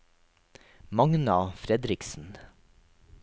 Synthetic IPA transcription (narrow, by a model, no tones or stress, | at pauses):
mɑŋnɑfɾɛd̪ɾɪksn̩